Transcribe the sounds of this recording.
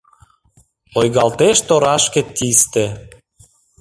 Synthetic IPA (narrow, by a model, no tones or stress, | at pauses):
ojɣɑlt̪eʃt̪oɾɑʃkĕt̪ʲist̪e